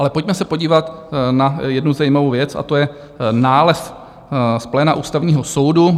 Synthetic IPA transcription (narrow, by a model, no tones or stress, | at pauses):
ʔalɛpo̞cmɛsɛpo̞ɟiːvat̪najɛdnuzajiːmavowvjɛt͡sa̰t̪ojɛ | naːlɛs | splɛːnaʔuːst̪avɲiːɦoso̞wdu